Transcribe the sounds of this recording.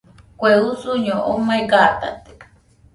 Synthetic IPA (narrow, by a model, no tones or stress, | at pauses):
kʷeusuɲõʔomaiɡat̪a̰t̪e̥